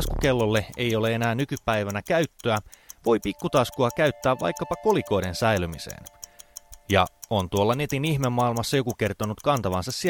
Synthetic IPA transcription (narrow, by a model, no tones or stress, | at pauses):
skukelːolːeḛjo̞leenæːnykypæiʋænækæyt̪ːøæʋo̞jpikːut̪ɑskuɑkæyt̪ːæːʋʋɑ̰jkːɑpɑko̞liko̞idensæilymisḛːn | jɑ̰ont̪uolːɑne̞t̪inihmemːɑilmɑsːɑjo̞kuke̞rt̪onut̪kɑnt̪ɑʋɑnsɑssi